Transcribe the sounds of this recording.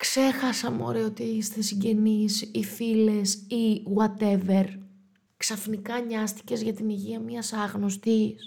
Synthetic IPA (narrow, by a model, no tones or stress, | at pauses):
kse̞xɐsɐmo̰ɾeo̞t̪iist̪esiɲɟe̞nisifile̞siɣwɐt̪eve̞ɾ | ksɐfnikɐɲɐst̪i̥ce̞zʝɐt̪iniʝiɐmɲɐsɐɣno̞st̪is